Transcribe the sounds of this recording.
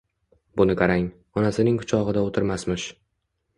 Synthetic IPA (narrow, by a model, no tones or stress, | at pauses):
bʊnɪkʰaɾaŋ | ɒnasɪnɪŋʰʊ̥t͡ʃʰɒʁɨd̪aot̪ʰɪɾmasmɪʃ